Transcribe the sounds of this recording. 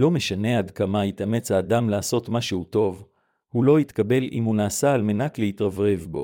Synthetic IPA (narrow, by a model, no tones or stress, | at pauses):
lo̞me̞ʃane̞ad̪kamait̪ame̞t͡shaːd̪amlaːso̞tmaʃehuto̞v | hulo̞it̪kabe̞lḭmhunaːsaːlme̞naklehitʁavʁe̞vbo̞̰